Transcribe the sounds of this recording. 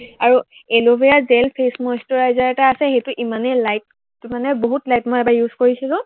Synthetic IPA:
aɹu | elobejazɛlpʰesmɔjstɔɹajzaɹɛtaːsɛxejtʊʔimanɛlajt̚ | tumanɛboɦutlajtmɔjɛbajuzkoɹisɛlʊ̃

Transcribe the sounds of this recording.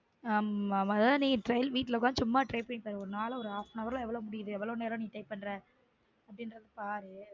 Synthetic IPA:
ammːðãniːʈɾɐɪlʋiːʈːlɐkːãɯt͡ʃʊmːaːʈɾɐɪpɐɳɪpːaːɾɯɔɾɯnaːlɐɔɾɯaːfnɐʋɐɾlãːɛʋːɐɭɔʋmʊɽɪjɪðɯɛʋːɐɭɐʋneːɾ̃niːʈɐɪpːɐɳːɾɛ̃ | ɐpːɐɽɪnɾɐðɯpaːɾɯ

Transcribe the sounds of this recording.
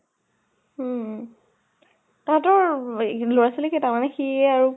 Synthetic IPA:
taɹtɔɹlojasilɛkitaɹmanɛxiɛaɹu

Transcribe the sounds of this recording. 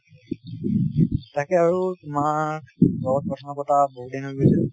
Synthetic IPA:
takɛaɹutʊmakbɔɔt̚pɹɔtʰɔnɔkɔtaboɦut̚dinɦoɡisɛ

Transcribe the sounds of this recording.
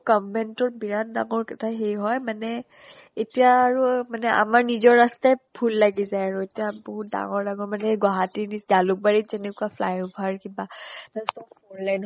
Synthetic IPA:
kɔmːɛntɔɹbiɹandaŋɔɹkatʰaɦejɦɔjmanɛ | etijaːɹumanɛʔa̰maɹnizɔɹːastapʰulːaɡizajaɹuetijabɔɦut̚da̰ŋɔɹlaɡɔmanɛɡaɦatinisdalʊk̚baɹizenikapʰla̰jʊpʰaɹkibanasɔbɔnlajn

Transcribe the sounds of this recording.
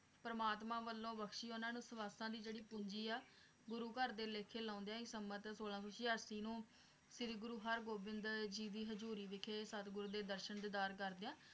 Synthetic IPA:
pɾəmaːt̪mãːʋəlːõːbəkʰʃiːonãːnũːsəʋaːst̪ãːd̪iːd͡ʒeːɽiːpʊɲd͡ʒiːaː | ɡʊɾuːkəɾd̪eːleːkʰeːlãːnd̪ejãːɪsəmət̪soːlãːsoːt͡ʃɪjaːɾsiːnũː | sɪd̪ɡʊɾuːɦəɾɡoːbɪnd̪d͡ʒiːd̪iːɦəd͡ʒuːɾiːʋɪkʰeːsət̪ɡʊɾuːd̪eːd̪əɾʃənd̪ɪd̪aːɾk̬əɾd̪eãː

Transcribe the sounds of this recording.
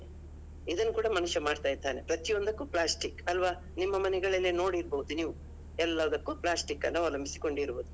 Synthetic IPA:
id̪ɐnːukuːɽɐmɐnuʃɐmaːɖt̪aːjt̪ːaːnepɾɐt̪ijond̪ɐkːuplaːsʈikɐlʋaː | nimːɐmɐnɛɡɐɭɐlːino̞ːɽiɾboɦud̪uniːʋu | ɛlːɐʋɐd̪ɐkːuplaːsʈikːɐnːɐʋɔlɐmbisi̥ko̞ɳɖiɾboːd̪u

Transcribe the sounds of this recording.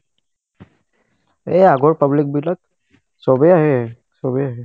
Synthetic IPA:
eaɡɔɹpəblik̚biʈat̪̚ | sɔbɛaɦɛ | sɔbɛaɦɛ

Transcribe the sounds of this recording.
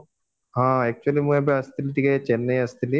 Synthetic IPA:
ɦãːek̚t͡ʃuɐlimuɐbeɐst̪iliʈiɡɐt͡ʃɛnːɐjɐst̪ʰili

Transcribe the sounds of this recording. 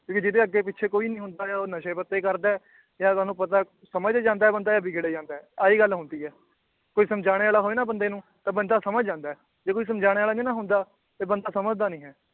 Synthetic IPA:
kjõːkid͡ʒɪd̪eːəɡːeːpɪtːt͡ʃʰeːkoːiːnĩːɦʊ̃nd̪aːjaːoːnəʃeːpət̪ːeːkəɾd̪aː | jaːt̪aːnũːpət̪aː | səməd͡ʒd͡ʒãːnd̪aːɛːbənd̪aːjaːbiːɡeːɽeːd͡ʒãːnd̪aːɛːaiːɡəlɦʊ̃nd̪iːɦɛː | koːiːsəmd͡ʒaːɽ̃eːaːlaːɦoːeːnaːbənd̪eːnũːt̪ãːbənd̪aːsəməd͡ʒd͡ʒãːnd̪aːɛː | d͡ʒeːkoːiːs̬əmd͡ʒaːɽeːaːlaːd͡ʒẽːnãːɦʊ̃nd̪aː | t̪eːbənd̪aːsəməd͡ʒd̪aːnĩːɦɛː

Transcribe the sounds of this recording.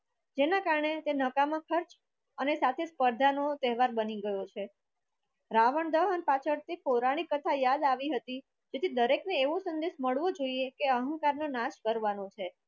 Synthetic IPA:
d͡ʒenakaɾɳet̪enəkamãkʰəɾt͡ʃ | ənesat̪ʰespəɾd̪ʱanot̪ɛɦʋaɾbəniɡəjot͡ʃʰe | ɾaʋəɳd̪əɦənepat͡ʃʰəɾt̪epoɾaɽ̃ikət̪ʰajad̪aʋiɦət̪i | d͡ʒet̪ʰid̪əɾekneːʋosənd̪eʃməɭʋod͡ʒoiekeəɦə̃ŋkaɾnonaʃkəɾʋanõt͡ʃʰe

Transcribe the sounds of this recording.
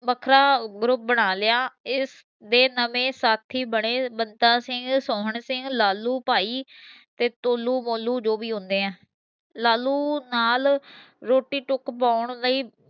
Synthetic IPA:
bəkʰɾaːɡɾʊp̚bəɽ̃aːlɪaːɪs | d̪eːnəʋẽːsaːt̪ʰːiːbəɽ̃eːbənt̪aːsɪŋɡsɔːɦəɳsɪŋɡlaːluːpaːiːt̪eːt̪oːluːmoːluːd͡ʒoːbiːɦʊ̃nd̪eːɛ̃ː | laːlːuːnaːl | ɾoːʈiːʈʊkpaːʊɳləiː

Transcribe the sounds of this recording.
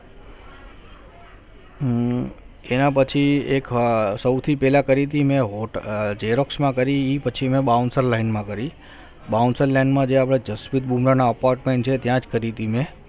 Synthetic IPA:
enãpət͡ʃʰieksəwt̪ʰipɛlakəɾit̪imẽɦoʈd͡ʒeɾoksmãkəɾiːpət͡ʃʰimẽɓaunsəɾlainmãkəɾi | baunsəɾlainmãd͡ʒeapɽ̃ad͡ʒəspit̪̚bumɾanaəpaɾʈmeɳʈt͡ʃʰet̪jãd͡ʒkəɾit̪imẽ

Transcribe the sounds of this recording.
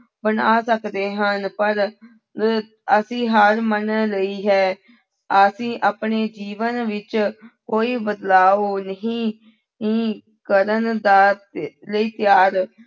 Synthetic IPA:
bənaːsəkd̪eːɦənpəɾ | əsĩːɦəɾmənləiːɦɛː | əsĩːʔaːpɳeːd͡ʒiːʋənʋɪt͡ʃkoːiːbəd̪laːoːnəɦĩː | ĩː | kəɾənd̪aːləiːt̪ɪjaːɾ

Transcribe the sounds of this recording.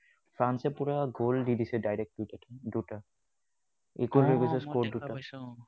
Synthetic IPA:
fʰɹansɛpuɹaɡʱoldidisɛdajɹɛk̚titatɔduta | ḛkolojbisɛskɔduta

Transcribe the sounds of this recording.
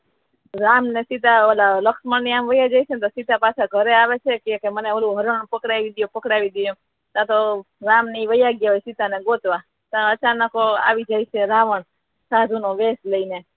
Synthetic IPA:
ɾamnesit̪aəlaləkʃməɳniamʋəjad͡ʒajt͡ʃʰent̪osit̪apat͡ʃʰaɡʱəɾeaʋet͡ʃʰekekeməneəlũɦəɾəɳpəkɽaʋid̪ijũpəkɽaʋid̪ijũ | t̪ãt̪oɾamniʋəjaɡjaojsit̪aneɡot̪ʋa | t̪ãət͡ʃanəkoa̰ʋid͡ʒajt͡ʃʰeɾaʋəɳ | sad̪ʱunoʋesləine

